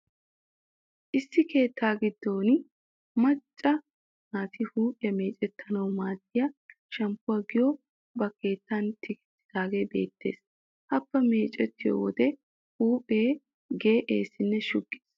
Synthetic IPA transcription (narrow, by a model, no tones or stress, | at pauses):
ʔɪsːɪke̞ːt̪ʰːaːɡɪd̪ːo̞ːn | mɐt͡ʃʼːɐ | naːt̪ʰɪhuːpʼɪjɐme̞ːt͡ʃʼɛt̪ʰːɐnɐwmaːt̪ːɪjɐ | ʃɐmpʊwaɡɪjɔ | bɐke̞ːt̪ːɐnt̪ʰɪkɪ̥tːɪ̥d̪aːɡe̞be̞̰ːt̪ʰːe̞̰ːs | hɐpːɐme̞ːt͡ʃʼɛt̪ːɪjo̰wɔ̰d̪ɛ | huːpʼe̞ː | ɡe̞ːʔḛːsɪnːɛʃʊɡːeːs